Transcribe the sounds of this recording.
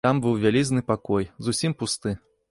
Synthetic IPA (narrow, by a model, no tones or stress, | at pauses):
ambɨwvʲalʲiznɨpakɔjzusʲimpust̪ɨ